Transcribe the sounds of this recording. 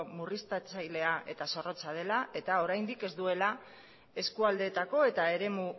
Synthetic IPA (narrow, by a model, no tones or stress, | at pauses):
murist̪at͡sajle̞aʔe̞̰t̪aso̞ro̞t͡sað̞e̞lae̞t̪ao̞ɾajnd̪ike̞zd̪ue̞la | e̞skuald̪e̞t̪ako̞e̞t̪ae̞ɾe̞mu